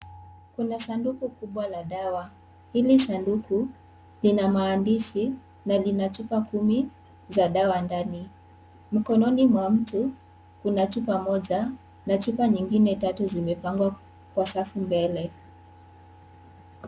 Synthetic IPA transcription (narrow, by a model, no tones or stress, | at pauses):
kunasandukukuɓwalaɗawa | hilisanduku | linamaːndiʃi | nalinat͡ʃupakumi | zaɗawandani | m̩kɔnɔnimwam̩tu | kunat͡ʃupamɔʄa | nat͡ʃupaɲiŋɡinɛtatuzimɛpaŋɡwa | kwasafumbɛlɛ